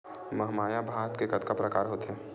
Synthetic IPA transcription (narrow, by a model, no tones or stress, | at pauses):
məɦmaːjabʱaːt̪kekɐt̪kapɾəkaːɾɦoːt̪ɦɛː